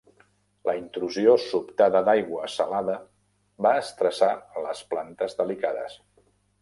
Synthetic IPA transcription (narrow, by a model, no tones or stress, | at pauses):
ləint̪ɾuziosupt̪aðəd̪ajɣwəsəlaðə | βaəst̪ɾəsaləsplant̪əzd̪əlikaðə̰s